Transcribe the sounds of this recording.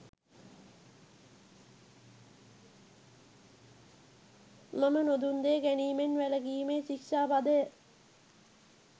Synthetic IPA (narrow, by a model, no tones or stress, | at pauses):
mamənod̪und̪eːɡæniːmenʋæləɡiːmeːt͡ʃikʃaːpad̪əjə